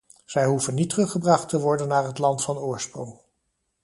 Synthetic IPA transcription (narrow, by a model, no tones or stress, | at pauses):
z̥ɛjɦuvənːitərɵχəbrɑχtəʋɔɹdənːaːɹɦətlɑntfɑnʊːɹsprɔŋ